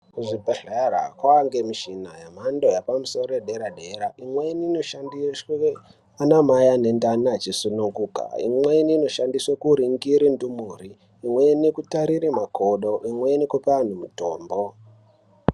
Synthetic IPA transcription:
uʐipeɮaara̰kwaŋɡemiʃinajamando̞japamuso̞roeɗe̞ɾaɗe̞ɾaʔimweiniːno̞ʃandiswe | anamajane̞ndanat͡ʃisunuŋɡuka̰ḭmweiniːno̞ʃandiswakuɾiŋɡiɾindumuriː | mwenekutaɾiɾimakʰoɗo̞ʔimwe̞nikupean̤umutoːmbo̞

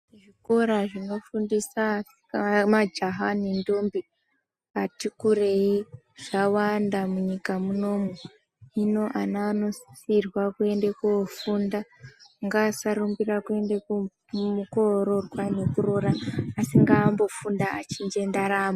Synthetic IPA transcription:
ʐiko̞ɾaʐino̞fundisasi̥kamad͡ʒaɦanindombi | atikuɾe̞i | ʐ̥awandamuɲikamuno̞ːmwe̞ | ino̞ʔanaːno̞sirwakue̞ndekufundaŋɡasaɾumbirakue̞ndeku | muko̞ɾorwanekuroɾaːsiŋɡaːmbo̞fundaat͡ʃind͡ʒe̞ndaɾaːmo

